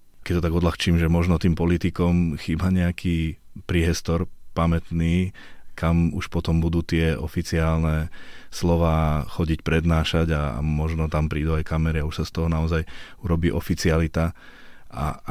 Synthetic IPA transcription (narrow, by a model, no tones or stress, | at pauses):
kɛc̚t̪ɔt̪aɡɔd̪laxt͡ʃiːmʒɛmɔʒnɔt̪iːmpɔlit̪ikɔmxiːbaɲɛakʰiːpɾiɦɛst̪ɔɾpamɛt̪niː | kamṵʃpɔt̪ɔmbud̪uːt̪ɪɛɔfit͡siaːlnɛslɔʋaːxɔɟicpɾɛd̪naːʃaɟaa̰mɔʒnɔt̪ampɾiːd̪uajkamɛɾiauʃsast̪ɔɦɔnaɔzaj | uɾɔbiːʔɔfit͡sialit̪a | a̰